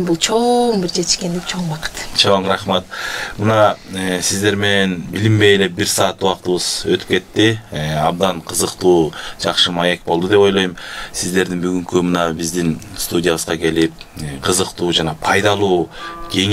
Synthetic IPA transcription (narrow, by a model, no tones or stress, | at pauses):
bulˠt͡ʃʰoɴbiɾd͡ʒet̪ɪʃke̞nd̪ipt͡ʃʰo̞ɴbɑqə̥t̪t͡ʃʰo̞ɴɾɑχmɑt̪mɯnɑːsizd̪e̞ɾme̞nenbilʲimbe̞jele̞biɾsɑːt̪uɑqt̪ɯβɯz̥øt̪y̥p̚ke̞t̪ːiɑb̚d̪ɑnqʰɯzɯqt̪uːd͡ʒɑqʃɯmɑje̞k̚bo̞lˠd̪ud̪e̞po̞jlˠojɯmsizd̪e̞ɾd̪inbyɡyŋkymɯnɑbizd̪inst̪udʲɪjaβɯzʁɑke̞lip̚ːqʰɯzɯqt̪uːd͡ʒɑnɑpʰɑjd̪ɑlˠuːɡ̥e̞ŋ